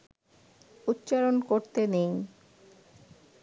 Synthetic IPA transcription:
ut̪ːɕaɾonkoɾt̪enej

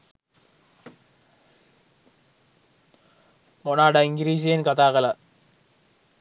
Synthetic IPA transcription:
monaːɖɐiŋɡiɾiːsijɐnkɐt̪aːɣɐlɐ

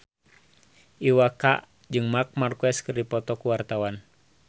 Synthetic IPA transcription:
ʔiwaka̰ʔ | d͡ʒɨŋmak̚markuɛskɨrdipɔt̪ɔkuwart̪awan

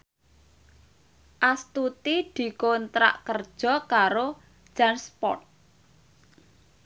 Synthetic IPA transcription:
ʔast̪ut̪id̪̥i̤kont̪ɾa̰ʔkərd̥ʒ̥ɔ̤kaɾo̥ | ʒ̥anspɔ̰rt̪̚

